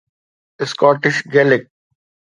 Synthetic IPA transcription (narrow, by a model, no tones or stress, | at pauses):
ɪskɔːʈɪʃɡɛlɪk̚